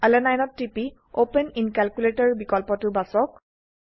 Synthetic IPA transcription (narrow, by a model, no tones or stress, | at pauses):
alɛnajnɔtːipi | openinkalkuletɔɹbikɔlpɔtʊbasɔk̚